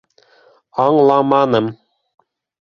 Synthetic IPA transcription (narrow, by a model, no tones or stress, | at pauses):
ɑɴlˠɑmɑnɤm